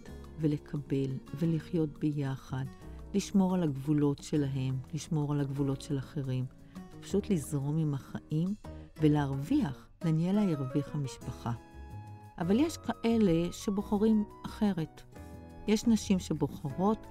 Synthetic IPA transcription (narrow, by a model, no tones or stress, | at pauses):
t | vele̞kʰabe̞lve̞liχjo̞t̚bejaχadliʃmo̞ʁalaɡvulo̞tʃe̞laɦe̞mliʃmo̞ʁalaɡvulo̞tʃe̞laχe̞ʁim | pḁʃutlizʁo̞mimaχaʔimve̞leːʁviaχ | lenijelajiʁviχhamiʃpaχa | ʔavaljeʃkaʔe̞le̞ʃe̞bo̞χaʁimʔaχe̞ʁe̞t | jeʃnaʃimʃe̞bo̞χaʁo̞t